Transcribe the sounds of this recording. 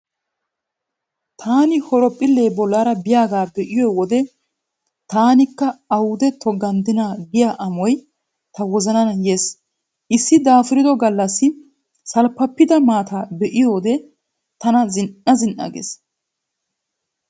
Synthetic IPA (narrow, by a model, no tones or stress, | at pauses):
t̪ʰaːnɪhɔɾɔpʼːɪlːe̞ːbɔlːaːɾɐbɪjaːɡaːbɛʔɪjɔwɔd̪ɛ | t̪aːnɪkːɐɐwʊd̪ɛt̪ʰɔɡɐnd̪ɪnaːɡɪjaʔɐmɔj | t̪ɐwɔzɐnɐnɐjeːs | ʔɪsːɪd̪aːfɪɾɪd̪ɔɡɐlːɐsːɪ | sɐlpːɐpːɪd̪ɐmaːt̪ʰaːbɛʔɪjoːd̪ɛ | t̪ɐnɐzɪnɐzɪnʔɐ̰ɡḛːs